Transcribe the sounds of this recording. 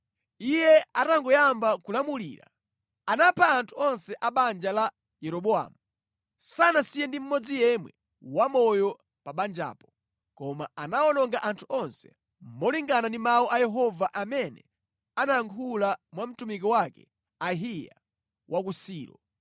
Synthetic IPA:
ijɛataŋɡɔjambakulamulḭɾa̰ | anapʰaːntʰuɔnsɛʔaɓand͡ʒala | jɛɾɔɓɔa̰ːmu | sanasijɛndim̩mɔd͡zijɛmwɛ̰ | wamɔjɔ | paɓand͡ʒa̰ːpɔ̥ | kɔmaanaɔnɔŋɡaʔantʰuɔnsɛ̥̰ | m̩mɔliŋɡanandimaɔʔajɛɦɔvaʔamɛnɛ | anaaŋkʰulamwam̩tumikɔwakɛ̰ | aɦija̰ | wʔakusiːɾɔ̰

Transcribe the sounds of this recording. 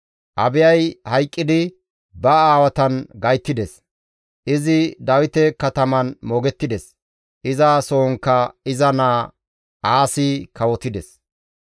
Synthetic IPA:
ʔɐ̰bɪjɐjhɐjkʼːɪd̪ɪ | bɐaːwɐt̪ɐnɡɐjt̪ːɪd̪ɛs | ʔɪzɪd̪ɐwɪt̪ɛkɐt̪ɐmɐnmɔːɡɛt̪ːɪd̪ɛs | ʔɪzasoːŋkːɐɪzɐnaː | ʔaːsɪkɐwɔt̪ɪd̪ɛs

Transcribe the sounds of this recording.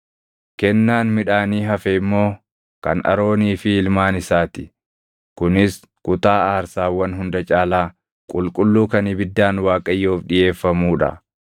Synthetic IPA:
kɛnːaːnmɪᶑaːniːɦɐfɛɪmːo̞ː | kɐ̰nʔɐ̰ɾo̞ːniːfɪːlmaːnɪsaːt̪ɪ̥ | kʊnɪs | kʊt̪aːaːɾsaːwːɐnɦʊnd̪ɐt͡ʃʼaːlaː | kʼʊlkʼʊlːuːkɐnɪbɪd̪ːaːnwaːkʼɐjːoːfᶑɪje̞ːfːɐmuːᶑɐ̰

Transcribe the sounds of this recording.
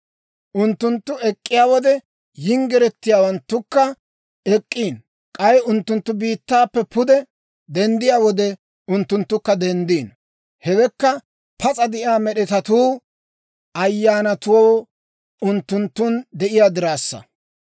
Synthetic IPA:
ʔʊnt̪ːʊnt̪ːʊɛkʼːɪjaːwɔd̪ɛ | jɪŋɡɛɾɛt̪ːɪjaːwɐnt̪ːʊkːɐ | ɛkʼːiːn | kʼɐjʊnt̪ːʊnt̪ːʊbiːt̪ːaːpːɛpʊd̪ɛ | d̪ɛnd̪ɪjaːwɔd̪ɛ | ʊnt̪ːʊnt̪ːʊkːɐd̪ɛnd̪iːn | hɛwɛkːɐ | pɐt͡sʼɐd̪ɪʔɪaːmɛɗɛt̪ɐt̪uː | ɐjːaːnɐt̪ʊwɔː | ʊnt̪ːʊnt̪ːʊnd̪ɛʔɪjaːd̪ɪɾaːsːɐ̰

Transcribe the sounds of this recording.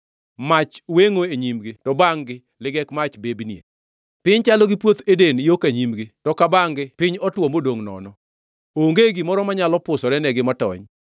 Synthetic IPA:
mat͡ʃweŋoeɲimɡɪtɔbaŋɡɪ | lɪɡɛkmat͡ʃbebniḛ | pɪɲt͡ʃalɔɡɪpwot̪edenijokaɲimɡɪtɔkabaŋɡɪpɪɲɔtwɔmodoŋnɔ̰nɔ | oŋɡeɡɪmɔɾɔmaɲalɔpʊsɔɾɛnɛɡɪmatɔ̰ɲ

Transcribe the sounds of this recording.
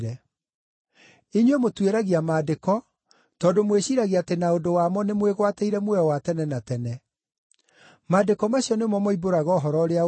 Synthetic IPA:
ɾɛ | eɲwemotweɾaɣiamaːdekɔ | tɔːdomweɕiɾaɣiatenaodowaːmɔnemweɣwateiɾɛmwɛwatɛnɛnatɛnɛ | maːdekɔmaɕiɔnemɔmɔiboɾaɣɔɦɔɾɔɾea

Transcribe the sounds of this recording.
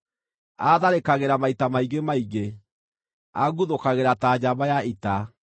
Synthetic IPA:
aðaɾekaɣeɾamaitamaiɣemaiɣe | aɣuðokaɣeɾataːd͡ʑabajaʔita

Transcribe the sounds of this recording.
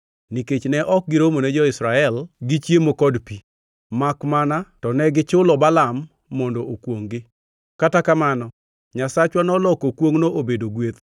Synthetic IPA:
niket͡ʃnɛʔɔk̚ɡɪɾomonɛd͡ʒɔɪsɾaɛlɡɪt͡ʃjemokɔdpi | makmanatɔnɛɡɪt͡ʃʊlɔbalamː | ɔndɔʔokwoŋɡɪ | katakamanɔ | ɲasat͡ʃwanɔlɔkokwoŋnoʔobedoɡwet̪

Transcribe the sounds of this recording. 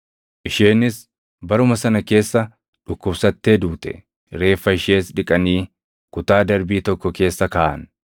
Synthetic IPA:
ʔɪʃeːnɪs | bɐɾʊmɐsɐnɐke̞ːsːɐ | ᶑʊkːʊbsɐt̪ːe̞ːd̪uːt̪ɛ̰ | ɾe̞ːfːɐɪʃe̞ːsᶑɪkʼɐniː | kʊt̪aːd̪ɐɾbiːt̪ɔkːɔke̞ːsːɐkɐːʔɐ̰n

